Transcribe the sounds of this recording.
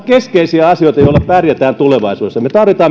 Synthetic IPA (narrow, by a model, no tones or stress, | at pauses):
keskeisiæɑsioˑit̪ɑijoˑlːɑppærjæt̪æːnt̪uleʋɑisuːesjɑmet̪ɑrʋit̪ɑːm